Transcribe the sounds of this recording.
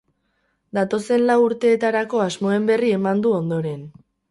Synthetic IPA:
d̪at̪o̞se̞nlawuɾt̪e̞ːt̪aɾako̞azmo̞e̞mbe̞rie̞mand̪uo̞nd̪o̞ɾe̞n

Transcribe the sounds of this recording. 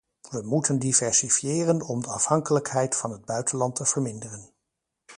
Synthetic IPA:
ʋəmutəndivɛɹsifijɪːrənɔmdəɑ̰fhɑŋkələkɦɛjtfɑnɦəd̚bœɥtənlɑntəv̥əɹmɪndərən

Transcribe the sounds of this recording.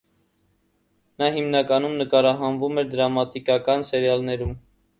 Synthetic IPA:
nɑɦimnɑkɑnumnəkɑɾɑɦɑnvumɛɾd̪əɾɑmɑt̪ikɑkɑnsɛɾjɑlnɛɾum

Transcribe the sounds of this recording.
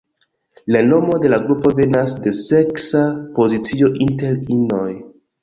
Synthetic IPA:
lano̞mo̞de̞laɡɾupo̞ve̞nasde̞se̞ksapo̞zit͡sio̞ʔinte̞ɾinoj

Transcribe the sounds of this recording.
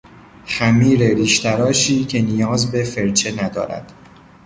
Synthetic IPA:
xæmiːɾeɾiːʃt̪ʰæɾɒːʃiːcʰe̞nijɒːzbe̞fe̞ɾt͡ʃʰe̞næd̪ɒ̰ːɾæ̰d̪̥

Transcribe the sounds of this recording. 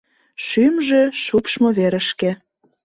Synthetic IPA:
ʃymʒeʃupʃmoβeɾə̆ʃkĕ

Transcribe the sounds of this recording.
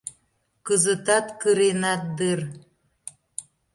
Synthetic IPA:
kəzət̪ɑt̪kɯɾenɑt̪̚d̪ɨr

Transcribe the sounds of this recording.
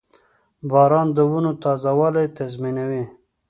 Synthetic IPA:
bɑɾɑnd̪əwunot̪ɑzawalajt̪azminawi

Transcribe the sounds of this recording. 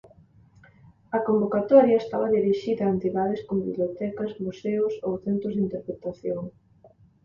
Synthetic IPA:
ɐkombokat̪ɔɾjɐest̪aβɐðiɾiʃiðɐːent̪iðaðɪskombiβljot̪ɛkɐzmuseʊsowθent̪ɾʊzðint̪eɾpɾet̪aθjoŋ

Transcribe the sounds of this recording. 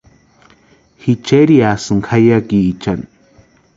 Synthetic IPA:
hit͡ʃeɾiasɨŋkʰajakiːt͡ʃan

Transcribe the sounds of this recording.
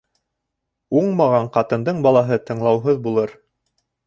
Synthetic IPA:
uɴmɑʁɑɴqɑt̪ɤ̆nd̪ɤɴbɑlˠɑɦɤt̪ɤ̆ɴlˠɑwɦɤðbulˠɤɾ

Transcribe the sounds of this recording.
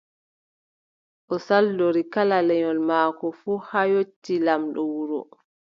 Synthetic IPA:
ʔɔsaldoɾikalalɛɲɔlmaːkɔfuːhajotːilamɗɔwuɾɔ̰

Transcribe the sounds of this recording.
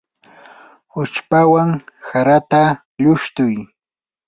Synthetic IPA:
ʊt͡ʃpawaŋsaɾat̪a | ʎʊʃt̪ʊj

